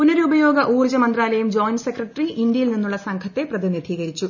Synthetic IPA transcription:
punɐɾubɐjo̞ːɡɐʔuːrd͡ʑɐmɐnd̪raːlɐjumd͡ʑoːjnsekrɐʈːriʔind̪jɐjilninːuɭːɐsɐŋkʰɐt̪ːe̞prɐd̪inid̪ʱiːɣɐɾit͡ɕːu

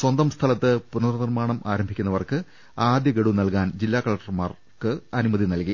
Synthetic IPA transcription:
swɐnd̪ɐmst̪ʰɐlɐt̪ːɨpunɐrɐnirmaːɳɐmʔaːɾɐmbʱikʲːunːɐʋɐrkɨ | aːd̪jɐkeɽunɐlkaːnd͡ʑilːaːkɐɭɐk̚ʈːɐrmaːr | kɨɐnumɐðinɐlki

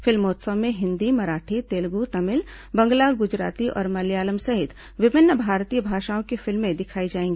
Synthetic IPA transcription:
fɪlmoːt̪səmẽɦɪ̃nd̪imɐɾaːʈʰit̪eːlɡut̪ɐmɪl | bɐ̃ŋɡlaɡʊd͡ʒɾa̰ːt̪iʔɔ̰ːɾmɐljaːləmsɐɦɪt̪ | ʋɪbʱɪnːbʱaːɾt̪ijəbʱaːʃaːõkefɪlmːẽd̪ɪkʰaːid͡ʒaːẽːŋɡiː

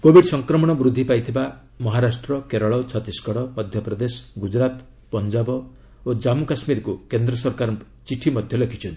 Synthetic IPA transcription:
kobʱiɖsɔŋkɾɔmɔɽ̃ɔbɾud̪ʱːipajt̪ʰiba | mɔɦaɾasʈɾɔkeɾɔɭɔt͡ʃʰɔt̪iskɔɽɔmɔd̪ʱjɔpɾɔd̪esɔ̥ɡud͡ʒɾat̪ | pɔnd͡ʒabɔ | od͡ʒamukasmiɾɔkukend̪ɾɔsɔɾkaɾ | t͡ʃiʈʰimɔd̪ʱjɔlekʰit͡ʃʰɔnt̪ii

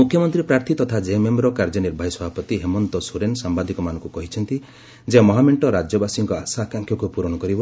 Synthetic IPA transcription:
mukʰjɔmɔnt̪ɾipɾaɾt̪ʰit̪ɔt̪ʰad͡ʒememɾɔkaɾd͡ʒɔniɾbʱajsɔbʱapɔt̪iɦemɔnt̪ɔsuɾensambad̪ʱikɔmanɔ̃ŋkukɔɦit͡ʃʰɔnt̪i | d͡ʒemɔɦameɳʈɔɾad͡ʒjɔbasiŋkɔasaːkaŋkjɔkupuɾɔɽ̃ɔkɔɾibɔ

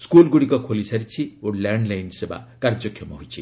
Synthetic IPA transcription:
skulɡuɽikɔkʰolisaɾit͡ʃʰioɽlaɳɖlajnseba̰kaɾd͡ʒɔkʰːjɔmɔɦujt͡ʃʰi

